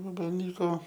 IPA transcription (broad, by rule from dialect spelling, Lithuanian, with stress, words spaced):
ʋɐbɐlʲˈnʲiːkoː